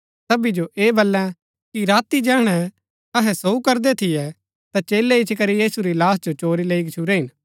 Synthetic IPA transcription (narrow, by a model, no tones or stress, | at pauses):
sɐbid͡ʒoʔeːbɐlːɛ̃ | kiɾaːt̪id͡ʒɛ̃ːɽ̃ɛ | ɐɦɛ̃soukɐɾd̪ɛt̪ʰɪjɛ | t̪at͡ʃeːlɛɪt͡ʃʰkɐɾijiːsuɾilaːsd͡ʒot͡ʃoːɾileikt͡ʃʰuɾɛɦɪn